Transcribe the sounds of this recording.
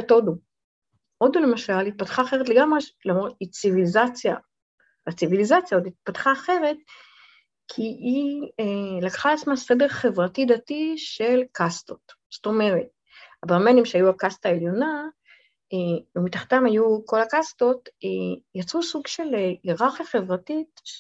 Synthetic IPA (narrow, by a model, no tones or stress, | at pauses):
otodu | ʔo̞d̪ule̞maʃalit̪̚pat̪χaːχe̞ʁet̪leɡamʁelamit͡sivilizat͡sja̰ | at͡sivilizat͡sjaod̪it̪̚patχaːχeʁe̞t̚ | kʰiielakχaleat͡smase̞deʁχe̞vʁatidatiʃe̞lkʰasto̞t | sto̞me̞ʁe̞t̚ | abeʁmenimʃeajuakastaeljo̞na | eumit̪aχt̪amhajuko̞lakasto̞tejat͡susuɡʃe̞leʁaχaχe̞vʁatit